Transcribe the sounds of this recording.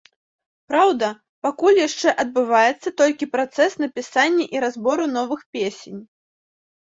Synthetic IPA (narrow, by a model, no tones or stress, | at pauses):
pɾawd̪ɐ | pakulʲjaʂt͡ʂɛʔɐd̪̚bɨvajɛt̪sːɐt̪ɔlʲkʲipɾat̪sɛsn̪ɐpʲisanʲːɐʔiɾazbɔɾun̪ɔvɨxpʲesʲenʲ